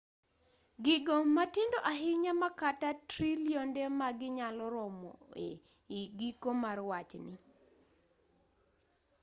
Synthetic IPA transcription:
ɡɪɡomatindoʔaɦɪɲamakatatɾiljondemaɡɪɲalɔɾɔmɔ̰e | ɡikomarwat͡ʃnɪ

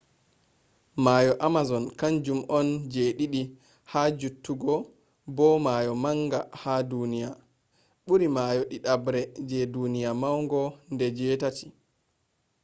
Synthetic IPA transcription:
majɔʔamazɔnkand͡ʒumʔɔnd͡ʒeːɗiɗi | had͡ʒutːuɡɔ | bɔmajɔmaŋɡahadunija | ɓuɾimaːjɔɗiɗabɾɛd͡ʒɛdunijamawŋɡɔndɛd͡ʒɛːtatʰi̥

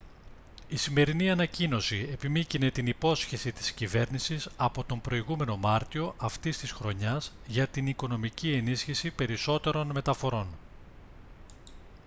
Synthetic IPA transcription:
isime̞ɾiniɐnɐcino̞sie̞pimicine̞t̪inipo̞sçe̞sit̪i̥scive̞ɾnisisɐpo̞t̪o̞mbɾo̞iɣume̞no̞mɐɾt̪io̞ʔɐft̪ist̪isxɾo̞ɲɐz | ʝɐt̪iniko̞no̞micie̞nisçisipe̞ɾiso̞t̪e̞ɾo̞nme̞t̪ɐfo̞ɾo̞n

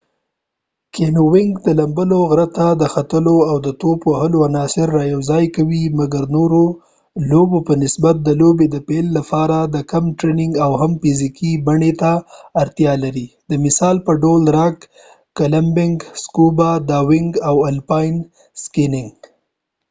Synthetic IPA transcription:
kʰenowɪŋɡd̪əlambəloɣɾat̪ad̪əxat̪əloawd̪ət̪opohəloanɑsɪɾːɑjawzɑjkawimaɡaɾnoɾo | lobopənɪsbat̪̚d̪əlobed̪əpelːapɑɾad̪əkamʈɾenɪŋɡawɦamfizikibaɳet̪aːɾt̪jɑlaɾid̪əmɪsɑlpəɖolɾɑk | kalambɪŋɡskubad̪ɑwɪŋɡawalpɑjn | skɪnɪŋɡ

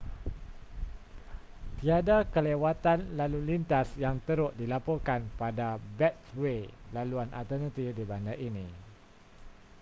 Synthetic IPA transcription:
t̪iadakəlewat̪anlalulint̪asjaŋt̪əɾʊʔ̚dilapɔrkanpadabɛt̪welaluanʔa̰t̪ənãt̪ifdibandaʔinĩ

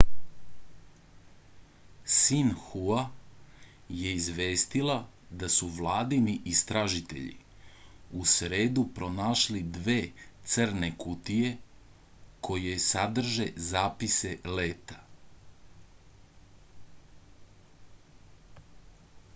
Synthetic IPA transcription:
sinxua | je̞izʋeːst̪ila | d̪asuʋlˠaːd̪iniʔist̪ɾaʒit̪e̞̰ʎḭ | usɾe̞ːd̪upɾo̞naːʃlid̪ʋeːt̪sərnekut̪ije̞ | kʰo̞jesad̪r̩ʒe̞zaːpise̞leːt̪ḁ

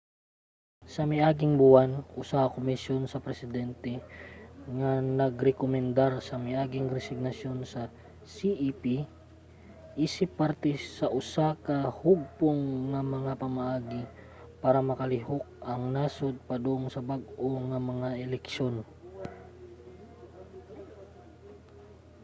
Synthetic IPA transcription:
sɐmɪʔaːɡɪŋbʊwanʔʊsaɐkomɪsjonsɐpɾɛsɪd̪ɛnt̪ɛ | ŋɐnɐɡɾɛkomɛnd̪aɾsɐmɪʔaːɡɪŋɾɛsɪɡ̚nɐsjo̞nsɐ | siʔipi | ʔiːsɪpːɐɾt̪ɛsɐʔʊsakɐhʊɡ̚poŋːɐmɐŋapɐmɐʔaːɡɪ | paːɾɐmɐkɐlɪɦok̚ʔɐŋnaːsod̪̚pɐd̪oʔonsɐbaɡʔoŋɐmɐŋaʔɛlɛkʃo̞n

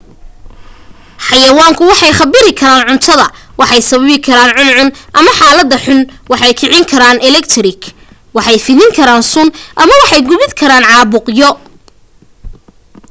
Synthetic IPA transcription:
ħɑjɐwaːŋkʰʊwɑħɑjχɑbɪɾɪkʰɐɾaːnʕʊnt̪ʰɐðɐwʔɑħɑjsɐβɐβɪkʰɐɾaːnʕʊnʕʊnʔɐmɐħaːlɐd̪ːɐħʊnwɑħɑjkʰɪʕɪŋkʰɐɾaːnɛlɛkt̪ʰɾɪk | wɑħɑjfɪðɪŋkʰɐɾaːnsʊnʔɐmɐwɑħɑjɡʊβɪd̪kʰɐɾaːnʕɑːβʊqjɔ

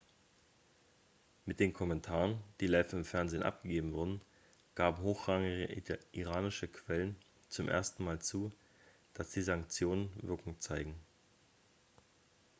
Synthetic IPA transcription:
mɪt̚d̥eːnkʰɔmɛntʰaːʁənd̥iːlaɪfɪmfɛɐnzeːnʔa̰p̚ɡ̥əɡeːbm̩vʊɐdn̩ | ɡ̥aːbm̩ɦoːxʁ̥aŋɪɡəʔiʁaːnɪʃəkʰv̥ɛlən | t͡sʊmʔḛːɐstn̩maːlt͡suː | d̥asd̥iːzaŋk̚t͡sjoːnənvɪɐkʊŋt͡saɪɡŋ̩

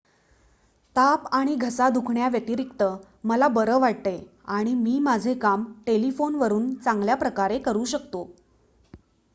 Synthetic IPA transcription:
t̪apaɽ̃iɡʱəsad̪ukʰɳjaʋjeʈiːɾikt̪ə | məlabəɾəʋaɽt̪e | aɽ̃imiːmad͡zʱekamʈelifonʋəɾuːnt͡saŋɡljapɾəkaɾekəɾuːɕəkt̪o

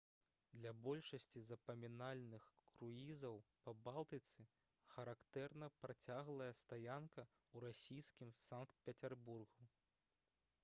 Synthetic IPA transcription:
d̪lʲɐbɔlʲʂɐsʲt͡sʲizɐpɐmʲinalʲnɨxkɾuizɐwpɐbalˠt̪ɨt̪sɨ | xɐɾakt̪ɛrnɐpɾat͡sʲaɣlˠɐjɐst̪ajankɐ | uɾasʲijskʲimsankt̪̚pʲɐt͡sʲɛrburɣu

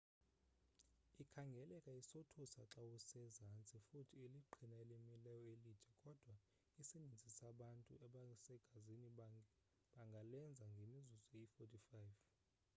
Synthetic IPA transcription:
ikʰaŋɡʱɛlɛkʼaisotʰusaǁawusɛzant͡sʼifutʰieliǃʱʰinaelimilɛjɔelid̥ʱɛkʼɔd̥ʱwa | isinind͡zʱisaɓantʼṵɛɓasɛɡ̥ʱazini | ɓaŋɡʱalɛnd͡zʱaŋɡʱemizuzɛifotʰʼifajv

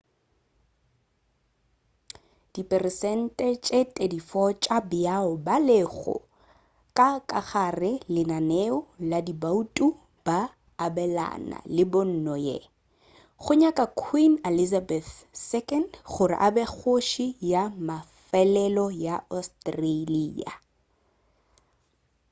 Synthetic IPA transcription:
d̥ipʼɛrɪsɛn̩tʼɛt͡ʃʼetʼedifɔt͡ʃʼabɪaʊbalɪɣʊ̰ | kʼakʼaχarɪlɪnaneʊladibautʼu | b̥aː | bɛla̰na̰lɪbʊn̩nɔjḛ | χʊɲakʼakʰwinelizabɛθsɛkʼɛndχʊrɪ̰ʔabek͡xʰoʃijamafɛlɛlɔjaɔstʼreliːa̰

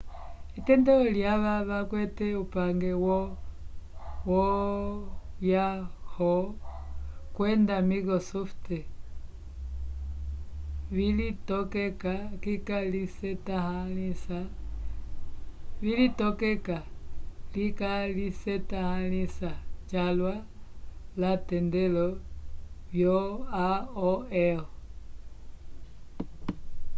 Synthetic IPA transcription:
itɛndɛɔljaβaβakwɛtɛupaŋɡɛwɔ | wɔ | jahɔ | kwɛndamiɣɔsɔftɛ | βilitɔkɛkakikalisɛtahaisa | vilitɔkɛkalikalisɛtahalisat͡ʃalwa | latɛndɛlɔ | βjɔaɔɛɔ

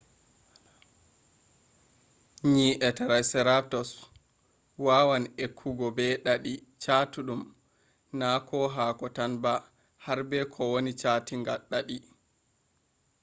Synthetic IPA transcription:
ɲiːʔɛtaɾajsɛɾap̚tɔs | wawanekʰːuɡɔbɛɗaɗit͡ʃaːtuɗum | nakʰɔɦaːkɔtanba | haɾbɛkʰɔwonit͡ʃatiŋɡaɗːaɗi

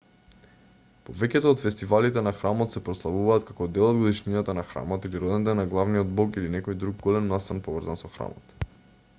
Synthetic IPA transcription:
povɛcɛt̪oːt̪fɛst̪ivalit̪ɛnaxɾamɔt̪sɛpɾɔslˠavuvaːt̪kakɔd̪ɛlˠɔd̪ɡod̪iʃninat̪anaxɾa̰mɔt̪iliɾɔd̪ɛnɛt̪ɛnaɡlˠavniɔd̪̚bɔkilinɛkɔjd̪ɾuɡ̚ɡɔlɛnːast̪anpɔvr̩zansɔxɾa̰mɔt̪

